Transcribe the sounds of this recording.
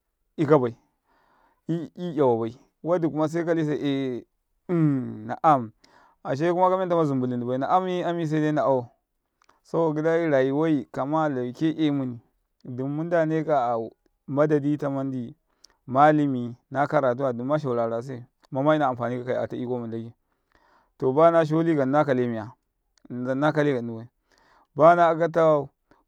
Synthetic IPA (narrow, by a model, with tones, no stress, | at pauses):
i˦ka˦ba˨i˨ | i˦i˦ja˨wa˨ba˨i˨ | wa˦di˨ku˦ma˦s̬a˦i˦ka˦li˦s̬a˨ʔe˨˦ | na̰˨ʔa˦m | a˨ʃ̬e˦ku˦ma˦ka˦m˦e˦nta˦ma˦zu˨mbu˨li˨ndi˨ba˨i˨na˨ʔa˦m˦i˦a˦mi˦s̬a˦de˦na˨a˦˨ | sa˦o˨ɡi˦da˦i˦ɾa˨ji˦wa˦i˨ka˨ma˦la˨ke˦ʔe˦mu˦ni˨ | du˨mu˦nda˦ne˦ka˨ | ma˦da˨di˦ta˦ma˦ndi˨ | ma˦li˦mi˨na˦ka˦ɾa˨t̬u˦wa˨du˨ma˦ʃ̬a˨u˨ɾa˨a˨s̬a˦˨ | ma˦ma˦i˦na˨a˨mfa˨ni˦ka˨ka˨i˨a̰˨ta˦i˦ko˦mu˨n˨la˦ɡe˦ | to˨ba˦na˦ʃ̬o˦li˦ɡa˨na˦ka˨le˦mi˨ja˨ | a˨˦na˦ka˦le˦ɡa˨nu˨ba˨i˨ | ba˦na˦˨ka˦t̬a˦wa˦˨